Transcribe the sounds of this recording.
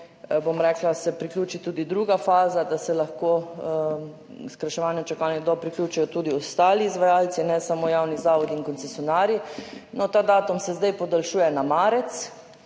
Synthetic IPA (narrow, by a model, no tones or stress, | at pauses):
bomɾɛːklasɛpɾiklʲjuːt͡ʃit̪uːd̪id̪ɾuːɡafaːzad̪asɛlaxko | skɾaʃɛʋaːnjɛmt͡ʃakaːnjɛd̪ɔpɾiklʲjuːt͡ʃɛjɔt̪uːd̪iɔst̪aːliːzʋajaːlsinɛsamojawnizaːʋɔd̪iinkɔnt̪t͡s̪ɛsjɔnaːɾjinɔt̪aːd̪aːt̪umsɛzd̪ajpɔd̪alʃuːjɛnamaːɾɛt̪s